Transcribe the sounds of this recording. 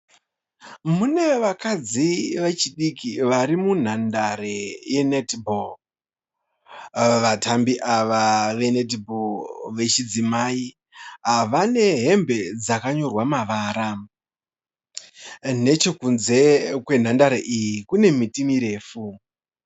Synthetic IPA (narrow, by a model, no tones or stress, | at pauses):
mune̞ʋakad͡ziʋe̞t͡ʃiɗikiʋaɾimun̤andaɾeje̞netbʱol | ʋatambiʔaʋaʋe̞net̬boʋe̞t͡ʃid͡zimai | ɦaʋane̞ɦe̞mbe̞d͡zakaɲo̞rwamaʋaːɾa | ne̞t͡ʃo̞kunze̞kwe̞n̤andaɾeʔijikune̞mitimiɾe̞ːfu